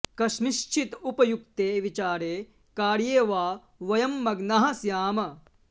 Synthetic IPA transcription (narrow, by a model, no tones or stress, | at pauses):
kɐʃmiʃt͡ʃʰit̪upɐjuk̚t̪eːʋit͡ʃaːɾeː | kaːɾjeːʋaː | ʋɐjɐmːɐɡnɐɦɐ̆sjaːmɐ